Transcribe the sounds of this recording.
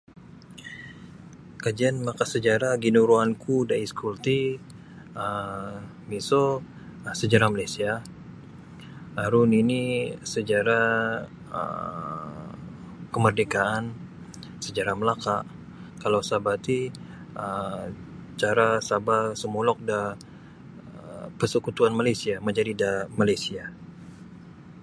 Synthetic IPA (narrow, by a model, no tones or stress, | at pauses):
kad͡ʒianmlakasəd͡ʒaɾaɡinuɾuankʰudaiskult̪i | ə | biso | səd͡ʒaɾahmalasia | aɾuninisəd͡ʒaɾa | ə̰ | kəmərdekaʔan | səd͡ʒaɾaməlaka | kalawsabat̪i | ə | t͡ʃaɾasabasəmulɔk̚da | pəsəkut̪uanmalajsiaməd͡ʒadidamalajsia